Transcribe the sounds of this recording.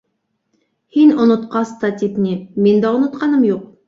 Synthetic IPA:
henʊnʊt̪qɑst̪ɑt̪ʰipnemend̪ɑʊnut̪qɑnɨmjoq̚

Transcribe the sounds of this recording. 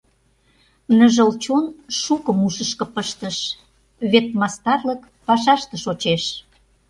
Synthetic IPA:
nəʒəlt͡ɕonʃukəmuʃəʃkə̆pəʃt̪əʃ | βet̪̚mɑst̪ɑrlək | pɑʃɑʃt̪ə̆ʃot͡ɕeʃ

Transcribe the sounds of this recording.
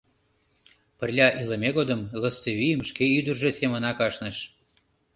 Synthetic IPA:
pərlʲɑʔiləmʲeɣod̪əmləst̪əβijəmʃkeyd̪ərʒesemənɑkɑʃnəʃ

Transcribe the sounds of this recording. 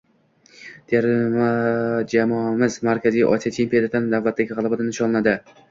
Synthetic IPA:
d̪̥ejaɾ | d͡ʒamɒmɪzmaɾkʲʰazijʔɒ̰sijɒt͡ʃʰempʲijod̪at̪and̪avːat̪ːaɡʲɪʁɑlˠabad̪ɪnɪʃɒllˠanad̪ɪ

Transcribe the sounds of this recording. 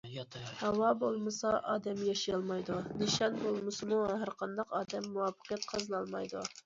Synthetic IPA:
hɑwɑbolˠmɨsɑʔɑːd̪ɛmjɑʃijɑlˠmɑjd̪uniʃɑnbolˠmɨsɨmuɦæɾqʰɑnd̪ɑqɑːd̪ɛmːuwɑfə̥qʰijɛt̪̚qʰɑzɨnɑlˠmɑjd̪u

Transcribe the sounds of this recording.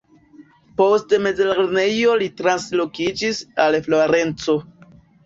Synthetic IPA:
po̞stme̞d͡zelaɾne̞jo̞litɾanslo̞kid͡ʒisalfloɾe̞nt͡so̞

